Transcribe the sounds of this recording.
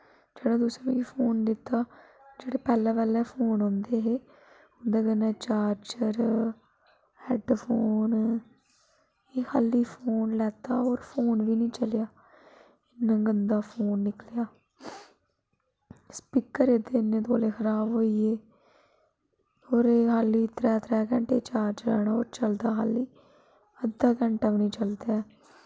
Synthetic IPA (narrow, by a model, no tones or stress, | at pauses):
d͡ʒeːɽãːd̪ʊsɾanũːkipʰoːnd̪ɪt̪ːaː | d͡ʒeːɽeːpɛːlɛːʋɛːlɛːpʰoːnɦõːnd̪eːɦeː | ʊnd̪aːɡənːãːt͡ʃaːɾt͡ʃəɾ | ɛːɖpʰoːn | eːhaliːpʰoːnlɛːt̪aːoːɾpʰoːnʋiːnĩːt͡ʃəljaː | ɪnːə̃ːɡənd̪aːpʰoːnːɪkljaː | spikəɾed̪eːɪnːẽːt̪oːleːkʰəɾaːbɦoːiːeː | oːɾeːɦaːliːt̪ɾɛːt̪ʰɾɛːkɛ̃ɳʈeːt͡ʃaːɾt͡ʃəlɛːɳaːoːɾt͡ʃəld̪aːɦa̰ːliː | əd̪aːkɛ̃ːɳʈaːʋnĩːt͡ʃəld̪aɛː